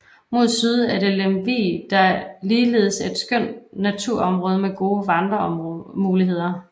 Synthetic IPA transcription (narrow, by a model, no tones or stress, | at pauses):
mo̝ð̞ˠsyð̞ˠæɐɾe̝lemʋḭːd̥ɑ̈æliːle̝ːð̞ˠsed̥sɡ̥œn̰d̥næt͡sʰuɐ̰ɒ̽mʁɔ̽ːð̞ˠɐmeɡ̥o̝ːʋɑ̈nd̥ʁɐmuːliɦe̝ð̞̰ˠɐ